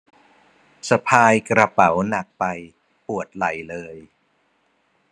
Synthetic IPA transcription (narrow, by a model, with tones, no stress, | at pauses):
sa˧pʰaː˧jkɾa˧pa˩˦wna˨˩k̚pa˧j | pu˨˩ət̪̚la̰˨˩˦jlɤː˧j